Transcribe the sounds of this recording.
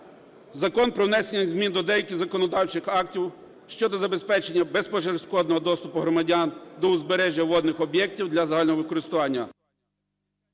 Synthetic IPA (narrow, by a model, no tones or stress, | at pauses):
zɐkɔnpɾɔwnɛsenʲɐzʲmʲind̪ɔd̪ɛjɐkʲizɐkɔnɔd̪ɑwt͡ʃɪxɑk̚tʲiw | ʃt͡ʃɔd̪ɔzɐbespɛt͡ʃenʲːɐbespɔʒersʲkɔd̪nɔɦɔd̪ɔst̪ʊpʊɦɾɔmɐdʲand̪ɔʊzbeɾɛʒʲjɐwɔd̪nɪxɔbjɛk̚tʲiwd̪lʲɐzɐɦɑlʲnɔɦɔʋɪkɔɾɪst̪ʊʋɑnʲːɐ